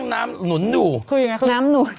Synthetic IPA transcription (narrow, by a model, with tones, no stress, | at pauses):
ŋnaː˦˥mnu˩˦njuː˨˩kʰɯː˧ja˨˩ŋa˦˥kːnaː˦˥mnu˨˩˦n